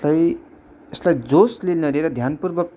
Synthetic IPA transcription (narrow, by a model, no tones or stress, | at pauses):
laj | eslajd͡zoslilnʌɾeɾʌd̪ʱjanpurbʌk